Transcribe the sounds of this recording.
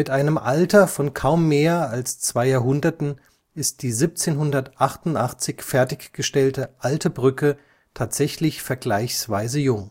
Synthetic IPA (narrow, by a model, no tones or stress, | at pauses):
mɪtʔaɪnəmʔaltɐfɔnkʰaʊmːeːɐalst͡sv̥aɪjaːɐɦʊndɐtn̩ | ɪst̚d̥iːziːp̚t͡seːnɦʊndɐtʔaχtʊntʔaχt͡sɪçfɛɐtɪçɡ̥əʃtɛltəʔaltʰəbʁʏkə | tʰaːtz̥ɛçlɪçfɛɐɡlaɪçsv̥aɪzəjʊŋ